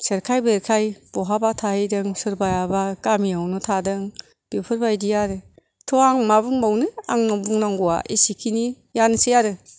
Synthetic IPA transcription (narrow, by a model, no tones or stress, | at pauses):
seɾkʰajbeɾkʰajb̥ɔɦabatʰahedɯŋsɯɾbajabakamiawnɔtʰadɯŋ | b̥epʰɯɾbajdijaɾɯ | tʰɔaŋmabuŋbawnɯa̰ŋnɔbuŋnaŋɡuwa̰ʔisikʰini | jansijaɾɯ